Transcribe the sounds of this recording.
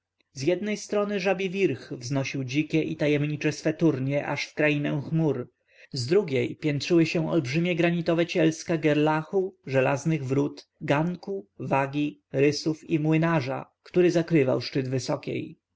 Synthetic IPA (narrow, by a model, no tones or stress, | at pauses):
zʲjɛd̪̚nɛjst̪ɾɔnɘʐabʲivʲiɾxvznɔɕiwd͡ʑikʲɛʔit̪ajɛmɲit͡ʂɛsfɛt̪uɾɲɛʔa̰ʂfkɾajinɛw̃xmuɾ | zd̪ɾuɡʲɛjpʲjɛntʂɘwɘɕɛw̃ɔ̰lbʐɘmʲjɛɡɾaɲit̪ɔvɛt͡ɕɛlskaɡɛɾlaxuʐɛla̰znɘɣvɾut̪ɡaŋkuvaɡʲiɾɘsufimwɘnaʐa̰kt̪uɾɘzakɾɘva̰wʂt͡ʂɘd̪vɘsɔkʲḛj